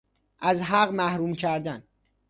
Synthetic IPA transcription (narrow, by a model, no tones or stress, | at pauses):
ʔæzɦæɢmæhɾuːmcʰæɾd̪æn